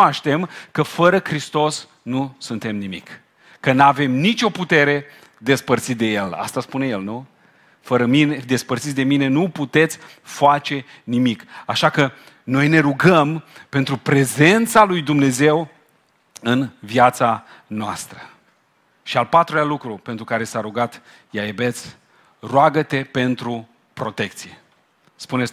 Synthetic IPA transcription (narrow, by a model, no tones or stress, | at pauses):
aʃt̪e̞mkəfəɾəkɾist̪o̞s | nusunt̪e̞mnimḭk | kːənave̞mnit͡ʃʲo̞put̪e̞ɾe̞ | d̪e̞spərt̪sit̪̚d̪eje̞la̰st̪aspune̞je̞lnu | fəɾəmined̪e̞spərt̪sit̪d̪e̞mine̞nuput̪e̞t̪sʲ | fat͡ʃe̞ | nimikaʃakə | no̞jne̞ɾuɡəmpe̞nt̪ɾupɾe̞ze̞nt̪salujd̪umne̞ze̞w | ɨnvjat̪sa | noast̪ɾə | ʃialpat̪ɾulealukɾupe̞nt̪ɾukaɾe̞saɾuɡat̪ | jajebe̞t̪sʲ | roaɡət̪e̞pe̞nt̪ɾu | pɾo̞t̪e̞kt̪sije | spunes